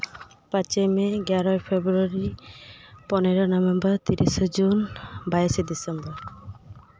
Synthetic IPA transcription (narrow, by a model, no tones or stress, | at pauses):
pãt͡ʃemeɡaɾɔepʰebɾuaɾi | pɔneɾɔnɔbembɔɾt̪iɾisɔd͡ʒunbajsed̪isembɔɾ